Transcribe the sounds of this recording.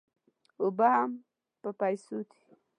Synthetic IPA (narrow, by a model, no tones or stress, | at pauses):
ʊbaham | pəpajsut̪i̥